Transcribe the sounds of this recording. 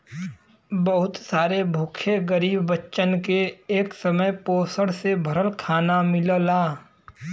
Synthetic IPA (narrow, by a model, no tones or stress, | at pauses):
bəɦʊt̪saːɾebʱoːkʰeɡəɾiːbːɐtːʃənkeeːksəməjpoːsəɽsebʱɐɾəlkʰaːnamɪləlaː